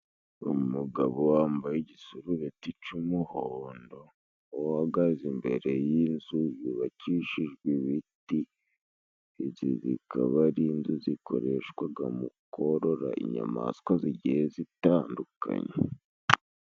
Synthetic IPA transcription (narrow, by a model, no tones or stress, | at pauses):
umuɡaβowaːmbajeɟisuɾuɾetit͡ʃumuhoːndo̞ | haɡazimbe̞ɾe̞jinzujuβaciʃiʒɡwiβiti | zizḭkʰa̰βaɾinzuziko̞̰ɾeʃkwaɡamukoɾo̞ɾa̰ʔiɲa̰ma̰skwaziɟijezitaːndukʰa̰ɲe